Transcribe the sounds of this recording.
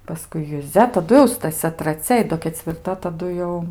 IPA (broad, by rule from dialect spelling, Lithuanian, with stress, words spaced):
pɐˈskʊɪ jʊˈzʲɛ tɐˈdʊ jɛʊ stɐˈsʲɛ trɐˈt͡sʲɛ ɪ ˈdoː kʲɛt͡sʲʋʲɪrˈtɐ tɐˈdʊ jɛʊ